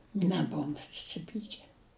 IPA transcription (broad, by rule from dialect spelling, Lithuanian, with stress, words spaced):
nʲɛˈboːʋʊm sʊsʲɪˈpʲiːkʲɛ